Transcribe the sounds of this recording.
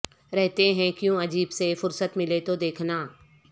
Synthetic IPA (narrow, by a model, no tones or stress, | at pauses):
ɾɛɦt̪eɦɛ̃kjõɐd͡ʑiːbsefʊɾsət̪mɪlet̪od̪eːkʰnaː